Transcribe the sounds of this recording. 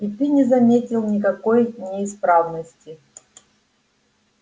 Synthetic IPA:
ɪpʲinʲɪzɐmʲetʲɪlˠnʲɪkɐkojnʲɪːspɾavnəsʲtʲɪ

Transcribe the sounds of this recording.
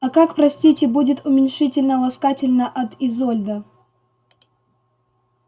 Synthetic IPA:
ɐkakpɾɐsʲtʲitʲɪbudʲɪt̪ʊmʲɪnʲʂɨtʲɪlʲnəlˠɐskatʲɪlʲnəʔɐt̪ɪzolʲd̪ə

